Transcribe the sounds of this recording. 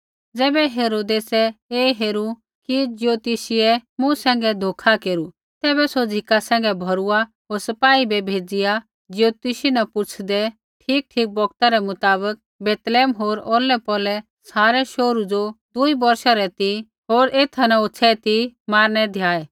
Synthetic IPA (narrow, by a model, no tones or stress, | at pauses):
d͡zɛːbɛɦeːɾoːd̪eːsɛeːɦeːɾu | kid͡ʒɪjoːt̪isɪɛmʊ̃sɛ̃ːŋɡɛd̪ʱoːkʰakeːɾu | t̪ɛːbɛsod͡zʱɪkasɛ̃ːŋɡɛbʱɐɾua | ɦoːɾsɐpaːibɛbʱeːd͡zɪja | d͡zjoːt̪isinapʊt͡ʃʰd̪ɛ | ʈʰiːk̚ʈʰiːk̚bɔɡ̚t̪aɾɛmʊt̪aːβək̚ | beːt̪leːmɦoːɾɔːlɛpɔːlɛ | saːɾɛʃoːɾud͡zod̪uibɐɾʃaɾɛt̪i | ɦoːɾeːt̪ʰanaʊt͡sʰɛt̪imaːɾnɛd̪ʱjaːɛ